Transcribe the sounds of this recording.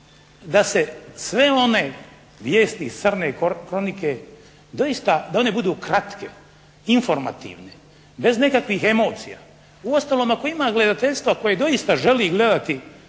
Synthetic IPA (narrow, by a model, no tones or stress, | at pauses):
d̪ase̞sʋe̞o̞ne̞ | ʋjeːst̪isərnekɾo̞nike̞ | d̪o̞ist̪ad̪aone̞bud̪uːkɾat̪kḛ | iɱfo̞ɾma̰t̪ḭːʋne | be̞zne̞kakʋiɦe̞mo̞ːt̪sija̰ː | uo̞st̪aloːmakoimaːɡle̞d̪at̪e̞ʎʲst̪ʋako̞jed̪o̞ist̪aʒe̞liɡle̞d̪at̪i